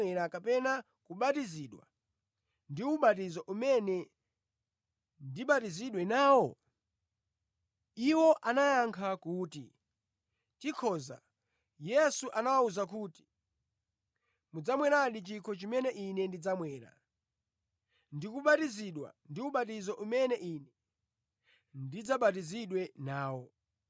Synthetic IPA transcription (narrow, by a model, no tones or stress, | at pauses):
ɛɾakapɛna | kuɓatiziːɗwa̰ | ndiuɓat̬izɔʔumɛnɛ | ndiɓatiziɗwɛnaːwɔ | iwɔʔanajaŋkʰakuːtḭ | tikʰɔːza̰ | jɛsuʔanawauzak̬uːti̥ | mud͡zamwɛɾaɗit͡ʃikʰɔt͡ʃimɛnɛʔinɛndid͡zamwɛːɾa̰ | ndikuɓatiziɗwa̰ndiuɓatizɔʔumɛnɛʔinɛ | ndid͡zaɓat̬iziɗwɛnaːwɔ